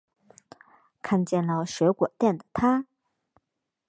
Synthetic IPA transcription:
kʰa˥˧nt͡ɕjɛ˥˩nlə˨˩ɕɥɛ˧˥kwɔ˨˩t̪jɛ˥˩nd̪ə˩t̪ʰa˥

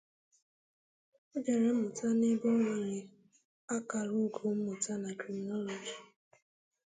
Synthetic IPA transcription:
o˦d͡ʒe˨ɾe˨m̩˦mʊ˨ta˦ne˦bʊ˦ŋʷa˨ɲɪ˨ | a˦ka˨ɾu˦ɡu˨m̩˦mʊ˨ta˦na˨kɾi˨mi˨nɔ˦lo˨d͡ʒi˨

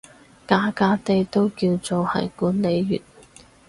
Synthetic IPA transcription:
kaː˧˥kaː˧t̪e˨jt̪o˥wkiː˧wt͡so˨whɐ̰˨jkuː˨˥nle˨˧jːy̰ː˨˩t̚

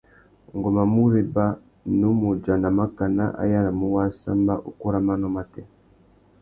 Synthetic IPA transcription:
ŋɡɔ˨ma˨mu˦ɾe˨ba˦ | nu˦mu˨d͡ʒa˨na˨ma˦ka˨na̰˦ʔa̰˦ja˦ɾa˨mu˦wa˦sa˦mba˦ʔu˦ko˦ɾa˦ma˦nɔ˦ma˦tɛ˦

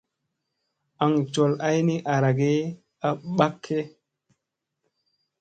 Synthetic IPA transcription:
a˨ŋt͡ʃo˨la˦jni˦ʔa˨ɾa˨ɡe˦ | a˦ɓa˦kʰːe˦

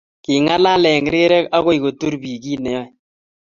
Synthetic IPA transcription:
ki˨ŋa˦la˦lɛ˨ŋ˨ɾe˦ɾɛ˦ka˦ɣo˦i˨ko˨tu˦ɾbi˨ki˦nɛ˨ɔ˦˨

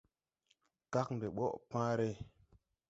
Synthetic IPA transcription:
ka˦kn˨de˨ɓo˦ʔpãː˦ɾe˦

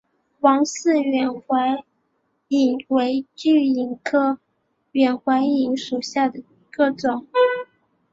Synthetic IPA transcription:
wɑ˧˥ŋsɹ̩˥˩ɥɛ˨˩nxwa˧˥ɪ | i˨˩ŋwe˧˥ɪt͡ɕy˥˩i˨˩ŋkʰɤ˥˩ | ɥɛ˨˩nxwa˧˥ɪi˧˥ŋʂu˨˩ɕja˥˩d̪ə˩i˧˥ɡə˧ʈ͡ʂʊ˨˩˦ŋ

